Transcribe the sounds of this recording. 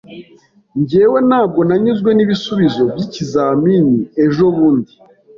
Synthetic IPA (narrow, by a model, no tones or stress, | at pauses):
ɲɟeːwenaːb̚ɡo̞naɲuzɡwe̞niβisuβizo̞bjicizaːminie̞ʒo̞βuːndi